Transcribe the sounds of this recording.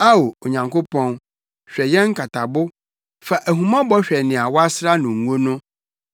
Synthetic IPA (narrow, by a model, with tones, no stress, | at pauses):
a˦wo˨o˨ɲã˨ŋko˦pʰɔ̃˦n | ɕᶣɛ˨jɛ̃˦ŋ̩˦kʰa˨tʰa˨bʊ˦ | fa˨ʔæ˨ɦũ˨mã˦bɔ˦ɕᶣɛ˨nɪ̃˨a˨wɔ˦a˦sɾa˦nʊ̃˨ŋ˨o˦nʊ̃˦